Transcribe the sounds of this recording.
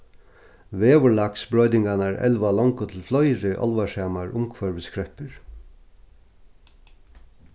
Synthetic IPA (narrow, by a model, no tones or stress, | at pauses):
ʋeːʋəɭɑksbɹœʏd̪ɪŋɡɑnəæɹʔɛ̰lʋɑlɔŋkʊt̪ʰɪl̩flɔʏɾəʔɔ̰lʋɑʃeːmɑɹʔʊmkʰʋɑɹʋɪskɹɛpəɹ